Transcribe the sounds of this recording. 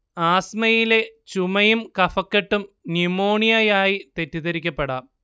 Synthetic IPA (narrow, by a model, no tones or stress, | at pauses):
aːsmɐjile̞t͡ɕumɐjumkɐfɐkːeʈːumnimoːɳijɐjaːjit̪e̞tːiðɐɾikʲːɐpːeɽa